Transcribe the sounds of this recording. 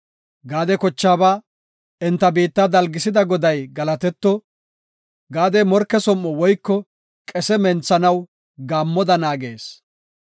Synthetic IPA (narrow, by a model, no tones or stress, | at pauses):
ɡaːd̪ɛkɔt͡ʃːaːbaː | ɛnt̪ːɐbiːt̪ːɐd̪ɐlɡɪsɪd̪ɐɡɔd̪ɐjɡɐlɐt̪ɛt̪ːɔ | ɡaːd̪ɛmɔɾkːɛsɔmːɔwɔjkːɔ | kʼɛsɛmɛnt͡sːɐnɐw | ɡaːmːɔd̪ɐnaːɡe̞̰ːs